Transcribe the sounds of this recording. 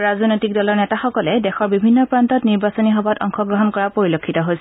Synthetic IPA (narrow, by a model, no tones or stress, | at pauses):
ɹaznojtikdɔlɔɹnɛtaxɔkɔlɛdɛxɔɹbibʱinːɔpɹantɔtniɹbasɔniɦɔbatɔ̰ŋxɔɡɹɔɦɔnkɔɹapoɹilokʰːitɔɦojsɛ